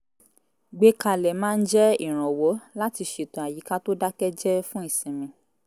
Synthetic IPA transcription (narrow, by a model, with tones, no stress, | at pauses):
ɡ͡be˧ka˨lɛ˨mãː˦˧n̩˦d͡ʒɛ˦i˦˨ɾ̃ɔ̃˨wo˨˦la˦ti˧ʃe˨tũ˨a˨ji˨˦ka˦to˦da˦kɛ˦d͡ʒɛ˦fũ˦i˦˨sĩ˨mĩ˧